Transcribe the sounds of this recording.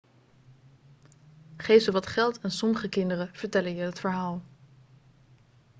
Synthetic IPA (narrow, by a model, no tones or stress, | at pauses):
χejfəʋɑtχɛlˠtʰansɔməχəkɪndərəv̥əɹtɛləjəətfəɹɦaːlˠ